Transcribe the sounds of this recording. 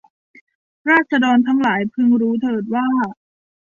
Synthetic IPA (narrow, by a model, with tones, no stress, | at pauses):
ɾaː˥˩t̪̚sʰt͡ɕʰa˧dɔː˧nt̪ʰa˦˥ŋlaː˩˦jpʰɯ˥˧ŋɾuː˦˥t̪ʰɤː˧˩t̪̚waː˥˩